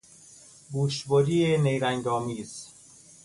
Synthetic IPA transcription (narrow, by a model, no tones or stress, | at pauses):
buːʃboɾiːenejɾæŋɟɒːmiːz̥